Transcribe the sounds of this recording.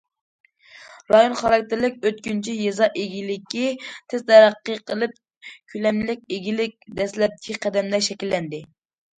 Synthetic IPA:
ɾɑjonχɑɾɑk̚ʲt̪ɪɾlɪkʲøt̪kʲynt͡ʃʰijezɑʔeɡʲilɪkʲːit̪ʰɪzt̪ʰɛɾæqːəqʰəlˠɨp̚ | kʲʰylɛmlɪkʲeɡʲilɪk̚ʲd̪ɛslɛp̚kʲʰiqʰɛd̪ɛmd̪ɛʃɛkʲilːɛnd̪ɪ

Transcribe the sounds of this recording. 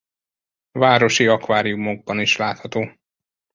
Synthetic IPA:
vaːɾo̞ʃiɒkʋaːɾijumo̞ɡ̚bɒniʃlaːt̪hɒt̪oː

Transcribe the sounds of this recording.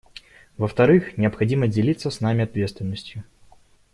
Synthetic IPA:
vəft̪ɐɾɨxnʲɪəpxɐdʲimədʲɪlʲit̪sːəsnamʲɪɐt̪vʲet̪st̪vʲɪnːəsʲtʲjʊ

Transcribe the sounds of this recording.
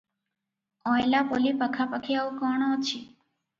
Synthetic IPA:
ɔjlapolipəkʰapəkʰiaũkɔɳ̃ɔt͡ʃʰi

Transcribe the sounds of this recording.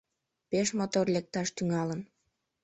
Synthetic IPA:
peʃmot̪orlek̚t̪ɑʃt̪yŋɑlən

